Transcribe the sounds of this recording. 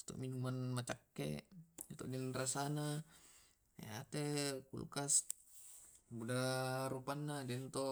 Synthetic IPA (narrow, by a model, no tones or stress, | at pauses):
t̪o̰ʔminumanmat͡ʃakːḛdit̪ɔʔdɛnrasana | ḛat̪ekṵlṵkas | budaɾupanːadɛnt̪o